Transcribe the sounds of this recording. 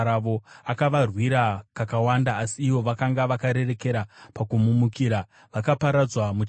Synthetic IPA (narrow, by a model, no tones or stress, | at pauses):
aʋo̞akaʋarwiɾakakawandaːsiːʋo̞ʋakaŋɡaʋakaɾe̞re̞ke̞ɾapakumumukiːɾa | ʋakapaɾad͡zwamut͡ʃ